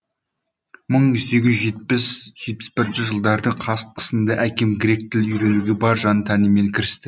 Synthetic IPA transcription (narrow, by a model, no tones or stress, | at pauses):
məɴʏse̞ɡʲɪzʒet̪pɪsʒ̥e̞t̪̚pɪ̥sbɪɾɪnʃɪʒəlˠd̪ɑɾd̪əɴqʰɑsqʰə̥sənd̪ɑʔækʲe̞mɡʲɾe̞k̚t̪ʰɪlʏjɾenuɡʲebɑɾʒɑnət̪ʰænɪme̞ŋkʲʰɪɾɪst̪ɪ